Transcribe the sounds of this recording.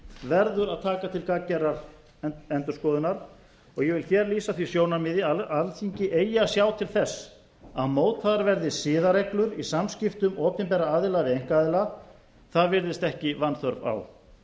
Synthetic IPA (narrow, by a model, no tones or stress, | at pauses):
vɛɾðʏɾaðt̪ʰaːkat̪ʰɪlkaːcɛɾaɾ | ɛnt̪ʏskɔːðʏnaɾ̥ | ɔɣjɛvɪlçjɛːɾliːsaθvisjoːwnaɾmɪðɪaalθiɲcɪʔeːjasjaːwt̪ʰɪlθɛsː | aðmoːwt̪faðaɾvɛɾðɪsɪːðaɾeklʏɾisamscɪft̪ʏmɔːpɪmpɛːɾaaːðɪlavɪejŋ̥kaːðɪla | θaðvɪɾðɪst̪ɛhcɪvanθœɾva̰w